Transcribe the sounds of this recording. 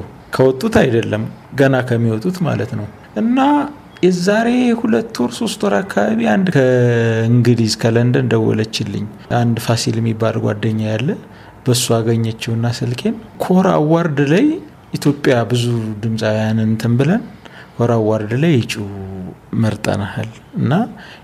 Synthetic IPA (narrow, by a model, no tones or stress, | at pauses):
kʰəwɔt̪ʼːut̪ajd̪əlːəm | ɡənakʰəmːiwɔt̪ʼut̪ma̰lət̪nəw | ʔɨnːa | jɛzaɾe̞hulət̪ːoɾso̞st̪ʰʼoɾakʰːaβaβiand̪kʰəɨŋɡɨd̪izkʰələnd̪ənd̪əwɔ̰lət͡ʃːɪlːɨ̰ɲː | and̪fasiljɛmːibːalɡʷa̰d̪ːəɲːajalːə | b̥əsːuaɡəɲːat͡ʃːɛwɨnːasɨlkʰe̞nkʰoɾa̰wːaɾd̪laj | ʔit̪ʰjo̞pʼjabɨzud̪ɨmsʼajanɨnt̪ʰɨmbɨlənkʰo̞ɾawːaɾd̪lajɨt͡ʃʼu | məɾt̪ʼə̰nahal | ɨnːa